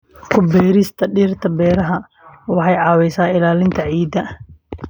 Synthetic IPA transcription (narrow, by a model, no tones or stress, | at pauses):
kʰʊbɛːɾɪst̪ʰɐɖiːrt̪ʰɐbɛːɾɐɦɐ | wɑħɑjʕɑːwɛsaːɪlaːlɪnt̪ʰɐʕiːd̪ɐ